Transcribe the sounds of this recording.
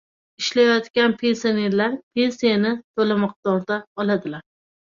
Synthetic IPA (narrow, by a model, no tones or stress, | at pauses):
ɪʃlajɒt̪kʲanpʰe̞nsione̞ɾlaɾpʰe̞nsijanɪt̪ʰolamɒq̚t̪ɒɾd̪aɒlˠad̪ɪlaɾ